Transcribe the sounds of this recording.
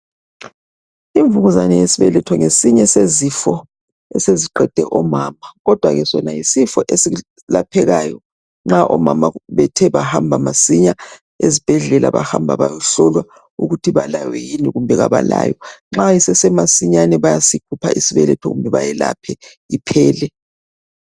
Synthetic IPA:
iɱvuɣuzanɛjesiβɛlɛtʰɔŋesiɲɛsezifɔ | ɛseziǃɛd̥ʱɛʔɔmaːmaɣɔd̥ʱwaɣɛsɔnajisifɔʔesi | lapʰɛɣaːjɔ | ŋ͡ǁaʔɔmamaβɛtʰɛβahambʱamasiɲa | ezib̥ʱɛɮɛla̰βahambʱa̰βajɔɬɔlwa | uɣutʰiβalajwɛjiniɣumbʱɛɣaβala̰ːjɔŋ͡ǁajisɛsɛmasiɲanɛβajasiǃʰupʰaʔisiβɛlɛtʰɔ̰ɣṵmbʱɛβajɛlapʰɛ | ipʰɛːlɛ

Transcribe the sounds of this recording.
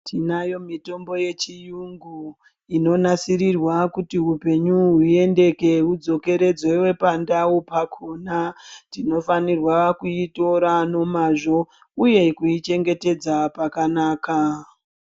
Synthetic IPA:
tʰinajo̞mito̞mbo̞je̞t͡ʃijuŋɡu | ino̞nasiɾirwakutiɦupe̞ɲuɦue̞nde̞ke̞ɦud͡zo̞ke̞ɾe̞d͡zewe̞pandawupakʰonatino̞fanirwakuito̞ɾano̞maʐo̞ | uje̞kuit͡ʃe̞ŋɡe̞te̞d͡zapakanaːka

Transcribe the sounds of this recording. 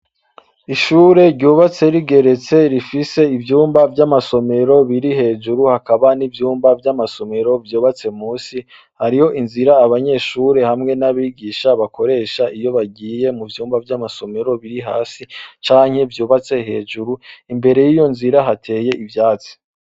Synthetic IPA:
iʃuːɾe̞ɾɟuːβat͡se̞ɾiɡe̞ɾe̞t͡se̞ɾifise̞ivjuːmbavjamaso̞me̞ɾo̞βiɾiɦe̞ːʒuɾuhakaβanivjuːmbavjamaso̞me̞ɾo̞vjuːβat͡se̞muːsi | haɾiho̞ʔinziɾaːβaɲe̞ːʃuːɾe̞hamŋe̞naβiːɡiːʃaβako̞ɾe̞ːʃaijo̞βaɡiːje̞muvjuːmbavjamaso̞me̞ɾo̞βiɾiɦa̰ːsit͡ʃaːŋ̥he̞vjuːβat͡se̞ɦe̞ːʒuɾuimbe̞ɾe̞jijo̞nziɾaɦatʰe̞ːje̞ʔivjaːt͡si̥

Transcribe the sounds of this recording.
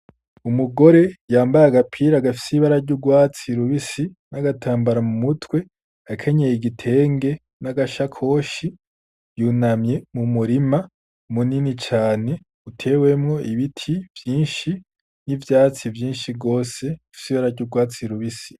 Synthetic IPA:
umuɡo̞ɾe̞jaːmbajaɡapʰiːɾaɡafi̥siβaɾaɾɟuɡwaːt͡siɾuβisi | naɡatʰaːmbaɾamumutwe̞ | akʰeɲejiɡitʰe̞ːŋɡe̞ | naɡaʃakʰo̞ʃi | juːnamje̞mumuɾima | muninit͡ʃaːne̞ | utʰe̞ːwe̞mŋo̞ʔiβitʰivjiːnʃi | nivjaːt͡sivjiːnʃiɡo̞ːse̞fi̥siβaɾaɾɟuːɡwaːt͡siɾuβisi̥

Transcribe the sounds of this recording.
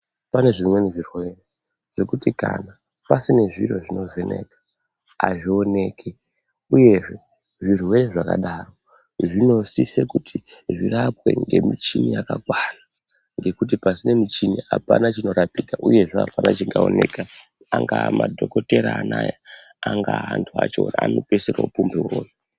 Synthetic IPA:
pane̞ʐimwe̞niʐirwe̞re | ʐ̥e̞kutika̰na | pasine̞ʐiro̞ʐino̞ʐene̞̰kḁ | aʐio̞ne̞ːkʰe | uje̞ʐe̞ | ʐirwe̞ɾeʐakaɗaːro̞ | ʐino̞sisekutʰiʐirapwe̞̰ŋɡe̞mit͡ʃiniakakwana | ŋɡe̞kutipasine̞mit͡ʃinia̰pa̰nat͡ʃino̞ɾapikaʔuje̞ʐeapanat͡ʃiŋɡao̞neːka | aŋɡamadʱo̞ko̞te̞ɾaːnaja | aŋɡaantʰua̰t͡ʃoaano̞peseɾaupumbeuro̰ːji

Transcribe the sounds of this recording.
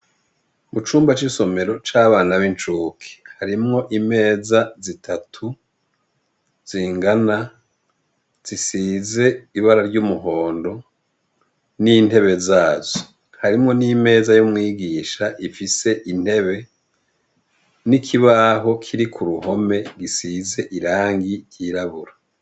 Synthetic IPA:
mut͡ʃuːmbat͡ʃiso̞me̞ɾo̞t͡ʃaːβaːnaβint͡ʃuːkʰi̥haɾimŋo̞ʔime̞ːzazitʰatʰu | z̥iːŋɡana | z̥isiːze̞iβaɾaɾɟumuɦo̞ːndo̞ | nin̥e̞βe̞zaːzo | haɾimŋo̞nime̞ːzajumŋiːɡiːʃaʔifise̞ʔin̥he̞βe̞ | nikʰiβaɦo̞kʰiɾikʰuɾuɦo̞me̞ɡisize̞ʔiɾaːŋɡiɾjiːɾaβuɾa

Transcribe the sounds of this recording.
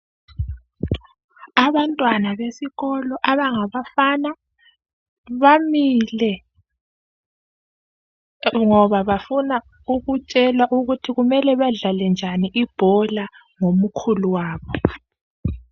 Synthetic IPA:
aβantʼwanaβesiɣɔlɔʔaβaŋaβafana | βamilɛ | ŋɔβaβafuna | uɣut͡ʃʼɛlwaʔuɣutʰiɣumɛlɛβaɮalɛnd͡ʒʱaniʔib̥ʱɔla | ŋomukʰuluwaːβɔ

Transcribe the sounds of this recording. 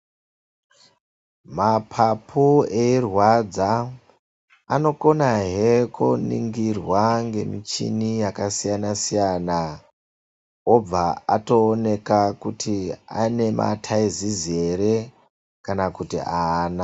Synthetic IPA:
mapʰapʰueirwad͡za | no̞ko̞naɦekʰunḭŋɡirwaŋɡe̞mit͡ʃḭnijakasijanasijana | ob͡vaato̞ːne̞kakutʰia̰ne̞mʔa̰tʰaizize̞ɾe | kanakutḭʔaːna

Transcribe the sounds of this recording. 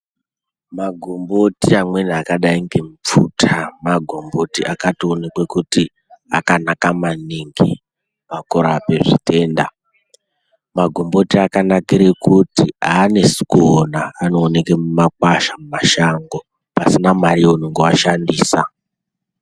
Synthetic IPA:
maɡʱombo̞tiamwe̞niakaɗaiŋɡe̞mup͡futʰamaɡʱo̞mbo̞tiʔakationekwekuti | a̰kanakamaniŋɡḭ | makoɾape̞ʐite̞ːnda̰ | maɡʱo̞mbo̞tiakanakiɾekutiaːne̞si̥konaːno̞ːnekemumak̚waʃamumaʃaŋɡo̞ | pasinamaɾionoŋɡewaʃandiːsa

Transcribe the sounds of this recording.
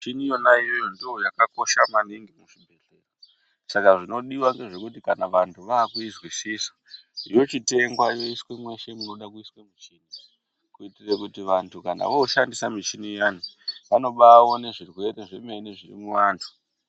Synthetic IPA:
t͡ʃinijo̞naijo̞jo̞ndiojakako̞ʃamaniŋɡimuʐibʱe̞ɮe̞̰ra | sakaʐino̞ɗiwaŋɡe̞ʐe̞kutikanaʋantʰuʋaːkuizwisiswḁ | ijo̞t͡ʃite̞ŋɡwajo̞iswemwe̞ʃe̞muno̞ɗakuiswemit͡ʃiːni | kuitirekutiʋantʰukana̰ʋoʃandisamit͡ʃinijaniʋano̞ɓaːwo̞ne̞ʐirwe̞ɾe̞ʐeme̞niʐirḭmuʋaːntʰu̥

